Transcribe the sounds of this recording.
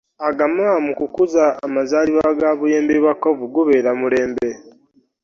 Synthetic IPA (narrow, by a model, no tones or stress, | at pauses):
aɡamamukukuzaːmazaːliβaɡaːβuje̞ːmbeβwakːovuɡuβe̞ːɾamule̞ːmbe̞